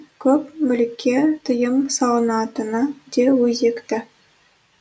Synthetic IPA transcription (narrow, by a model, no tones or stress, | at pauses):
kʲʰɵpmɵlɪkʲʰːe̞t̪ʰəjəmsɑlˠənɑt̪ənəd̪̥ewɵze̞kt̪ɪ